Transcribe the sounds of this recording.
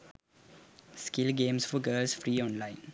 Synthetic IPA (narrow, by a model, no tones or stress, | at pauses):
skɪlɡẽːmsfɔɡəːlsfɾiːɔ̃nlãɪ̃n